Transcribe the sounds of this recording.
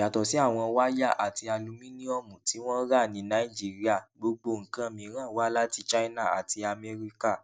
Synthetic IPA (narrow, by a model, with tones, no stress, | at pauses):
ja˨tɔ˨si˨˦a˦˨w̃ɔ̃˧wa˦ja˦˨ʔa̰˨ti˧a˧lũ˧mĩ˦nĩ˦ɔ˦˨mũ˨ti˨˦w̃ɔ̃˦ɾa˦˨nĩ˧˦nã˦i˦˨d͡ʒi˦ɾi˦a˦˨ɡ͡bo˧ɡ͡bo˧˨ŋ̩˨kã˦mĩ˧ɾ̃ã˦˨wa˦la˦ti˧˦t͡ʃa˦i˦na˦˨a̰˨ti˧a˧mɛ˧ɾi˧ka˦˨